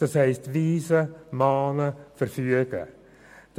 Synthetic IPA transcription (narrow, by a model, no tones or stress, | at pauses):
d̥ɑshɛɪstviːzəmɑːnəfəɾfyəɡ̥ə̰ | d̥